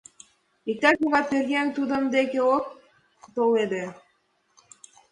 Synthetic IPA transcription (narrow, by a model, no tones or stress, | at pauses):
ik̚t̪æʃuɣɑt̪erɣent̪ud̪ə̆md̪ekeok̚ | t̪oled̪e